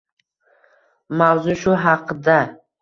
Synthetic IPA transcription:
mawzʊʃʊɦɑqʰd̪a

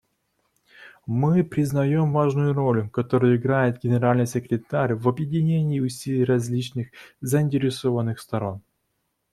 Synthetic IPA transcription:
mɨpɾʲɪznɐjomvaʐnʊjʊɾo̞lʲʊkɐt̪o̞ɾɨjʊɪɡɾajɪt̪̚ɡʲɪnʲɪɾalʲnɨjsʲɪkɾʲɪt̪aɾʲvɐbjɪdʲɪnʲenʲɪːʊsʲilʲijrɐzʲlʲit͡ɕnɨxzəɪnʲtʲɪɾʲɪsovənːɨxst̪ɐɾo̞n

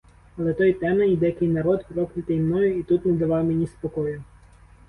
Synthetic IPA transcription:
ɐlˠɛt̪ɔjt̪ɛnɐid̪ɛjkɪjnɐɾɔt̪pɾɔknɪt̪ɛjmnɔjʊit̪ut̪nɛd̪ɐʋɑwmenʲispɔkɔjʊ

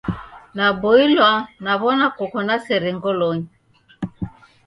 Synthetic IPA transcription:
nabɔilwanaβɔnakɔkɔnasɛɾɛŋɡɔlɔɲi

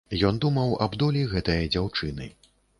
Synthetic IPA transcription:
jɔnd̪umɐwɐ̰bd̪ɔlʲiɣɛt̪ɐjɐd͡zʲawt͡ʂɨnɨ̰

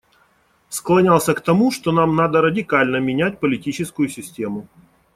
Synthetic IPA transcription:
sklˠɐnʲalˠsʲəkt̪ɐmuʂt̪onamnad̪əɾədʲɪkalʲnəmʲɪnʲæt̚ʲpəlʲɪtʲit͡ɕɪskʊjʊsʲɪsʲtʲe̞mʊ

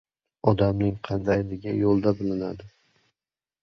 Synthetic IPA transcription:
ɒd̪amnɪŋqʰɑnd̪ajlɪɡʲajolˠd̪abɪlɪna̰d̪ɪ

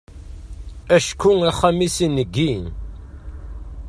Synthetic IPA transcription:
æʃkuæχæmisinːəɡːi

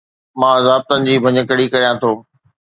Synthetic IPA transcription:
mãːɐzaːb̚t̪ənɪ̆d͡ʑiːbʱɐɲəkəɽikɐɾijãt̪ʰoː

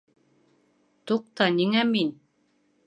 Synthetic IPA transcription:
t̪uq̚t̪ɑniŋæmin

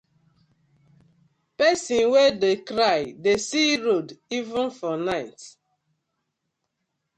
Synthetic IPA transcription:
pɛsĩnwedekɾajdesiɾodivũnfɔnaɪt

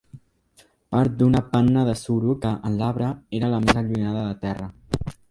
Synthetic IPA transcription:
paɾt̪̚d̪unəpanːəðəsuɾukəʔənlaβɾəeɾələmezəluinaðəðət̪ɛrə

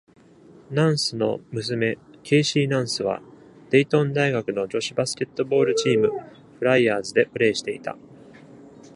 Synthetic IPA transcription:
nãɰ̃sɨno̞̰mɯ̟s̬ɨme̞kʲʰe̞ːɕiːnãɰ̃sɨβ̞a̰ | d̪̥e̞it̪õ̞nd̪aiɡakɯ̟no̞d͡ʑo̞ɕibasɨ̥kʲe̞t̪ːo̞bo̞ːɾɯ̟t͡ɕiːmɯ̟ | ɸɯ̟ɾaiaːzɨd̪e̞pɯ̟ɾe̞ːɕi̥t̪e̞it̪a̰

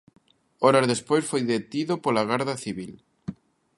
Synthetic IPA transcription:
ɔɾazðespojsfojðet̪iðopolaɣ̞aɾðaθiβil

